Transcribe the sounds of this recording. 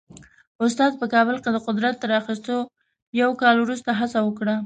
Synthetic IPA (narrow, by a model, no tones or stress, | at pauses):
ʊst̪ɑd̪̚pəkɑbəlked̪əqʊd̪ɾat̪ːəɾaxist̪o | jawkɑlwɾust̪aɦasawəkɽa